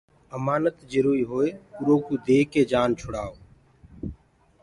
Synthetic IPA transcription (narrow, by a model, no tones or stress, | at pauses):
əmaːnət̪d͡ʒəɾuːɾiːɦoːeːʊɾoːkuːd̪eːɦkeːd͡ʒaːnt͡ʃʰʊɽaːoː